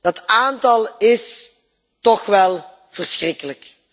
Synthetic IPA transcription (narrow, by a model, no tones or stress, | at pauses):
d̥ɑtaːntɑlˠɪs | tɔxʋɛlˠ | v̥ərsxrɪkələk